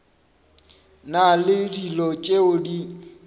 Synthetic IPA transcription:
nalɪdilɔt͡ʃʼeʊdi

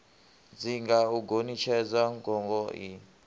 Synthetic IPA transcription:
d͡ziŋɡauɡʱonit͡ʃʰɛd͡zaŋɡʱɔŋɡʱɔi

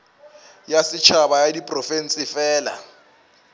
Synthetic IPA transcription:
jasɪt͡ʃʰabajadipʼrɔfɛnsɪfɛːla̰

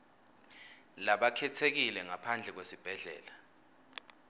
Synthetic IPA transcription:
laɓakʰɛtʰek̬ilɛŋapʰand͡ɮʱɛk̬wesib̥ʱɛɮɛ̰ːla

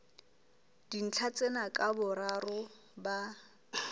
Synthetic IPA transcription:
d̥in̩t͡ɬʰat͡sʼenakʼabʊɾarʊ | ba

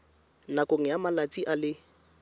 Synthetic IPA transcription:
nakʼoŋ̩jamalat͡sʼiʔalɪ

